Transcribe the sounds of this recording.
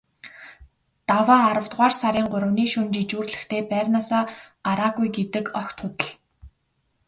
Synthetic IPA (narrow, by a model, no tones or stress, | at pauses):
t̪awaːaɾə̆w̥t̪ʁaːrsaɾʲiːŋɢʊɾə̆wniːʃunt͡ɕit͡ɕuːrɮɘ̆xt̪ʰeːpæːrnaːsaːaɾaːɣujɡet̪ɘ̆kɔxt̪ʰʊt̪ə̆ɮ